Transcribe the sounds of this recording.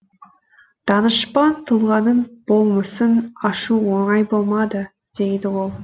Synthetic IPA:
d̪̥ɑnəʃpɑnt̪ʰəlˠʁɑnənb̥o̞lˠməsənɑʃuwo̞ɴɑjbo̞lˠmɑd̪ə | d̪̥e̞jd̪ɪwo̞lˠ

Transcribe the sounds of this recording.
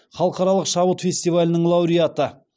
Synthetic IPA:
χɑlˠəqɑɾɑlˠəqʃɑbət̪fʲe̞sʲt̪ijvalʲɪnəɴlˠɑwɾijat̪ə

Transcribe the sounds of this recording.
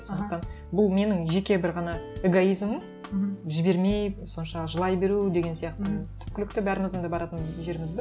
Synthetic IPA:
so̞nd̪q̚t̪ɑn | bʊlˠme̞nɪŋʒe̞kʲe̞bɪɾʁɑnɑeɡoijzməm | ʒɪbe̞ɾme̞jso̞nʃɑʒəlˠɑjbe̞ɾud̪e̞ɡʲe̞nsijɑq̚t̪ət̪ʰʏ̥p̚kʲɪlɪk̚t̪ɪbæɾɪmɪzd̪ənd̪ɑbɑɾɑt̪ənʒe̞ɾɪmɪzbɪ

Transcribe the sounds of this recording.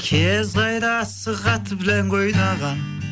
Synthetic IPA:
kʲʰezʁɑjɾɑsɨʁɑt̪ʰɨbɪlænqʰojnɑʁɑn

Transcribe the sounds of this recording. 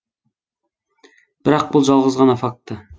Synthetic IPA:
b̥ɪɾɑq̚bulˠd͡ʒɑlˠʁəzʁɑnɑfɑk̚t̪ːɨ

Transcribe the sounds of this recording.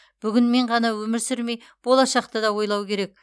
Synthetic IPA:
b̥ʏɡʲɪnme̞ɴʁɑnɑwɵmɪɾsɪɾme̞j | b̥o̞lˠɑʃɑqt̪əd̪ɑwo̞jlˠɑwkʲʰe̞ɾe̞k̚

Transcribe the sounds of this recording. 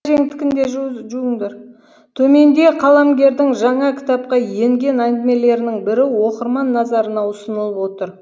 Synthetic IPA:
ʒe̞ŋt̪ɪ̥kʲɪnd̪e̞ʒʒuɪŋd̪eɾ | t̪ʰɵme̞nd̪e̞qʰɑlˠɑmɡʲe̞ɾd̪ɪŋʒɑɴɑkʲʰɪ̥t̪ɑp̚qɑje̞ŋɡʲe̞nænd̪ɪme̞le̞ɾɪnɪŋbɪɾɪwo̞qəɾmɑnːɑzɑɾənɑʊsənəlˠəpwo̞t̪əɾ

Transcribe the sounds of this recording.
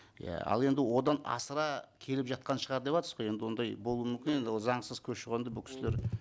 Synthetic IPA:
jæ̰ɑ̰lˠe̞nd̪ɪwo̞d̪ɑnɑ̰səɾɑkʲʰe̞lɪpʒɑt̪̚qɑnʃəʁɑɾd̪e̞pɑt̪ɾsəzʁoje̞nd̪ɪwo̞nd̪ɑjbo̞lˠuəmʏmkʲɪne̞nd̪ɪwozɑɴsəz̥kʲʰɵʃəʁend̪əbʊkʲʰɪ̥sleɾ

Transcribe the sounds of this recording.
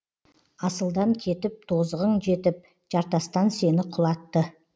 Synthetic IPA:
ɑsəlˠd̪ɑŋkʲʰe̞t̪ɪp̚t̪ʰo̞zəʁəɴʒe̞t̪ɪp̚ | ʒɑɾt̪ɑst̪ɑnse̞nɪqʰʊlˠɑt̪ːə

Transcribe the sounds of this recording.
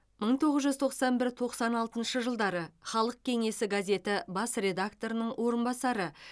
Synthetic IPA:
məɴt̪ʰo̞ʁəzʒʏzt̪ʰo̞qsɑnbɪɾt̪ʰo̞qsɑnɑlˠt̪ənʃəʒəlˠd̪ɑɾəχɑlˠəq̚kʲʰe̞ŋe̞sɪɡazʲe̞t̪ɪbɑsre̞d̪akt̪o̞ɾənəɴwʔo̞ɾənbɑsɑɾə

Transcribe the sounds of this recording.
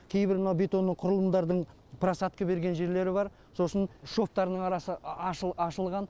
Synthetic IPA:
kʲʰe̞jbɪɾmənɑwbet̪o̞nːəqʰʊɾəlˠəmd̪ɑɾd̪əɴ | pʰɾasɑt̪kʲəbe̞ɾɡʲenʒe̞ɾle̞ɾɪbɑɾ | so̞sənʃo̞ft̪ɑɾənəɴɑɾɑsəɑʃəɑʃəlˠʁɑn

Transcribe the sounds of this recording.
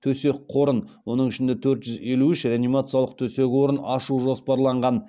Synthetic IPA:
t̪ʰɵse̞k̚ʲqʰo̞ɾənwo̞nəɴɪʃɪnd̪et̪ʰɵɾt̪ʒ̥ʏze̞luɪʃɾeanijmat̪sɨjalˠəq̚t̪ʰɵse̞kʲwo̞ɾənɑʃuʒo̞spɑɾlˠɑɴʁɑn

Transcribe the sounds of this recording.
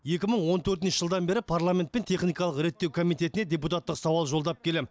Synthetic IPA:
je̞kʲɪməɴwo̞nt̪ʰɵɾt̪ɪnʃə̥ʒəlˠd̪ɑnbe̞ɾɪpʰarlˠame̞nt̪̚pe̞nt̪ʰe̞χnijkɑlˠəqɾe̞t̪ːe̞wkʰomijt̪e̞t̪ɪne̞d̪ʲe̞put̪at̪ːəqsɑwɑlˠʒo̞lˠd̪ɑp̚kʲʰe̞le

